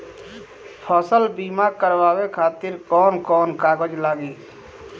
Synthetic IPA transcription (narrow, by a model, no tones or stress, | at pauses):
pʰɔːsəlbiːmakəɾʋaːwekʰaːt̪ɪɾkɔːnkɔːnkaːɡəd͡ʒlaːɡiː